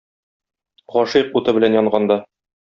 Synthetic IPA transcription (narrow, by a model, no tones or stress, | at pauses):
ʁɒʃiqut̪ɤbɘ̆lænjɒɴɢɑnd̪ɑ